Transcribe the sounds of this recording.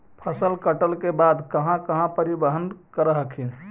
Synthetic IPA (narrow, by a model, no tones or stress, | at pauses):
pʰəsəlkəʈəlkebaːd̪kəɦãkəɦãpəɾibəɦənkəɾəɦəkʰĩ